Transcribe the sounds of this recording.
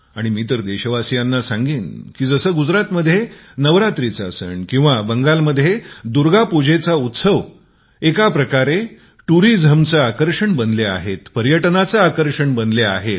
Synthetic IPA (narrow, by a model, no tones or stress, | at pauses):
aɽ̃imiːt̪əɾd̪eɕəʋasjanːasãŋɡiːnkiːd͡zəsəːɡud͡zɾat̪məd̪ʱːjenəʋɾat̪ɾit͡sasə̰ɳkĩw̃ʋabəŋɡalməd̪ʱːjed̪uɾɡapud͡ʑet͡saut̪səʋ | ekapɾəkaɾe | ʈuɾid͡zʱəmt͡səakəɾʂəɳbənlea̰ɦet̪pəɾjəʈnat͡saakəɾʂəɳbənleaɦet̪̚